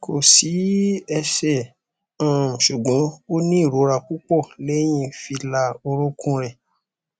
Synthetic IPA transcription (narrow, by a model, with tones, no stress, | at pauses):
kʰo˨si˨˦ɛ˧ʃɛ˦˨ | ã˨ʃu˨ɡ͡bɔ̃˨˦o˦nĩ˦i˦˨ɾo˨˦ɾa˧˨ku˦k͡pɔ˦˨le˨˦j̃ĩ˧fi˧la˧o˧ɾo˦kũ˦ɾɛ˨